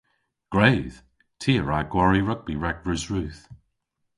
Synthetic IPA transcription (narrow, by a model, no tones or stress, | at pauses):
ɡ̥ɹeɪð̥ | tʰiəɹaɡ̥waɹiɹʌɡ̚biɹɛɡ̚ɹʉzɹʉθ